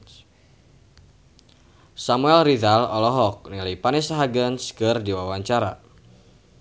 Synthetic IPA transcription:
samuɛlridalɔlɔɦɔk̚nilipanisaɦaɡənskɨrdiwawaɲt͡ʃaɾa

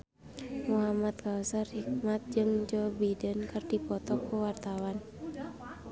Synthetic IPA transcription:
muɦamat̪̚kawsarhik̚mat̪̚d͡ʒɨŋd͡ʒɔbidənkɨrdipɔt̪ɔkuwart̪awan

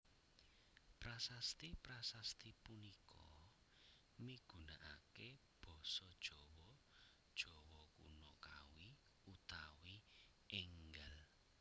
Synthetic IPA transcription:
pɾasast̪ipɾasast̪ipunikʰɔ | miɡ̥ṳnaʔakeb̥ɔ̤sɔd̥ʒ̥ɔ̤wɔd̥ʒ̥ɔ̤wɔkṵnɔka̰wi | ut̪awi | ʔɪŋɡəl

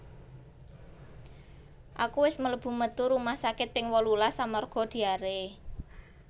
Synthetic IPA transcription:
ʔa̰kuwɪsmələb̥ṳmət̪uɾumahsakɪt̪̚pɪŋwɔlulasamɔrɡ̥ɔ̤d̪̥i̤aɾe

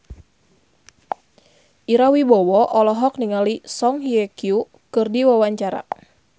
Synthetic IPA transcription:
ʔiɾawibɔwɔʔɔlɔɦɔk̚niŋalisɔŋɦiɛkiu | kɨrdiwawaɲt͡ʃaɾa̰

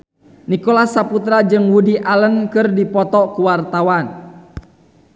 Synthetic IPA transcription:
nikɔlasaput̪ɾad͡ʒɨŋwudiʔalənkɨrdipɔt̪ɔkuwart̪awan

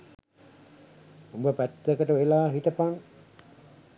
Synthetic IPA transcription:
umbəpæt̪ːekəʈəʋelaːɦiʈəpaŋ

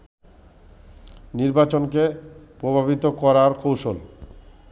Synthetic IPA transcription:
niɾbat͡ɕonkepɾobʱabit̪okɔɾaɾkowʃol

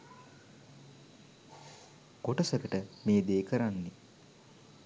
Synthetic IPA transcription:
ɡ̥oʈəsəkəʈəmeːd̪eːkʰəɾanːi

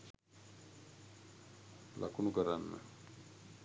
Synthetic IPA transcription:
la̰kunukəɾanːa̰

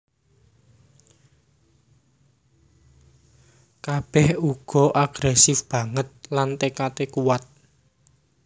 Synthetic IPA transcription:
kab̥ɛhuɡ̥ɔ̤ʔaɡ̥ɾɛsɪfb̥ä̤ŋət̪̚lant̪ekat̪ekuwat̪̚

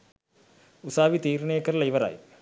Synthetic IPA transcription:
ʊsaːʋit̪iːɾɐnejɐkːɐɾlɐiʋɐɾa̰ːj

